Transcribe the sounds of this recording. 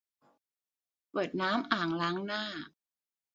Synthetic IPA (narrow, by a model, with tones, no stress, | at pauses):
pɤː˨˩t̪̚naː˦˥mʔaː˨˩ŋlaː˦˥ŋnaː˥˩